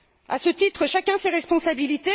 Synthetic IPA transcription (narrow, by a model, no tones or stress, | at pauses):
a̰sət̪it̪χəʃakʲɛ̃seʁɛspɔ̃sabilit̪e